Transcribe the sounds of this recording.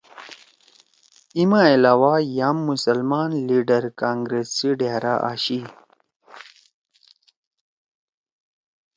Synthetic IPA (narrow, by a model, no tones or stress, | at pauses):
imãilaːwajaːmːusəlmaːnliːɖəɾkaːŋɡɾesiɖeɾaʔa̰ːɕi